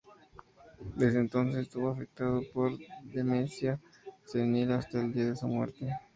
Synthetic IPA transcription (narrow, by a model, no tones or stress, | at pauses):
d̪e̞zðent̪o̞ns̬esest̪uβoafe̞k̚t̪aðopo̞ɾðemensja | senilast̪aeld̪iaðesumweɾt̪e